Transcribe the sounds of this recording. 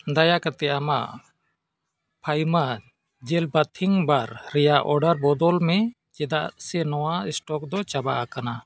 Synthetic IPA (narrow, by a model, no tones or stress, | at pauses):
d̪ajakaɾt̪ɛama̰ʔ | pʰajma | d͡ʒɛlbat̪ʰiŋbaɾːɛjaʔɔɾɖaɾbɔd̪ɔlmɛ | t͡ʃɛd̪aʔsɛnɔwaɛsʈɔkd̪ɔt͡ʃaba̰ʔakana